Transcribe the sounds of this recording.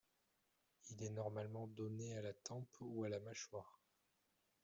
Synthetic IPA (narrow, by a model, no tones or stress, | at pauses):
ilɛnɔʁmalmɑ̃d̪ɔnealat̪ɑ̃pualamaʃwaːʁ